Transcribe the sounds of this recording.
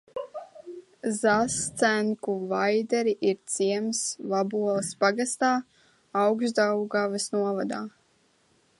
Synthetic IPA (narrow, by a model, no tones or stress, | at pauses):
zast̪sæŋkuvajd̪ɛɾiʔiɾt̪siɛmslabuɔlˠspaɡast̪aː | awksd̪awɡavɨsnuɔvad̪aː